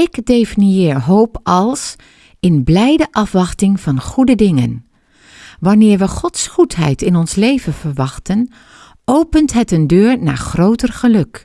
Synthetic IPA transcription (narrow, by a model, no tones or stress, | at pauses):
ɪkdefinijɪːɹɦowpɑlˠs | ɪnblɛjdəʔɑfʋɑχtɪŋv̥ɑnχudədɪŋə̰n | ʋɑnɪːɹʋəχɔtsχutɦɛ̰jtɪnɔnslejvənv̥əɹʋɑχtən | ʔowpəntɦətəndøːɹna̰ːɹχrowtərχəlɵk